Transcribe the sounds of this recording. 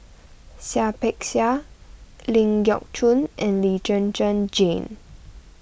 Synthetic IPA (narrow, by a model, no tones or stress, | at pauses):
siapɛksia | lĩŋɡjɔ̰k̚t͡ʃʰũnɛ̃nlid͡ʒə̃nd͡ʒə̃nd͡ʒẽn